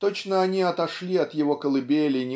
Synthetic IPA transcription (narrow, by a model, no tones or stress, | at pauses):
t̪o̞t͡ɕnəɐnʲiɐt̪ɐʂlʲiɐt̪jɪvo̞kəlˠɨbʲelʲɪnʲɪ